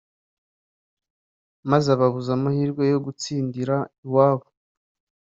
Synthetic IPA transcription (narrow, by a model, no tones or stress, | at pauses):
mazaβaβuzamuhiːɾɡwe̞jo̞ɡut͡siːndiɾaiwaːβo